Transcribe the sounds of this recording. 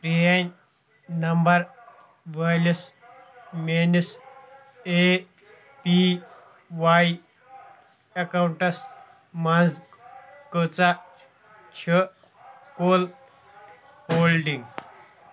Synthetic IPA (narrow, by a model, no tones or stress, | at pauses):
pɾijan | nəmbəɾ | ʋələs | menəs | e | pi | ʋai | ɐkawɳʈɐs | mad͡z | kət͡sa | t͡ɕʰə | kol | holɖiŋɡ